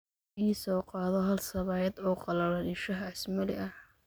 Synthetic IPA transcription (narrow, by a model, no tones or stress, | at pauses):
iːsɔːqɑːðɔɦɐlsɐβɑːjɐd̪ɔːqɑlɐlɐnɪʃɐɦɐɐsmɐlɪʔɐh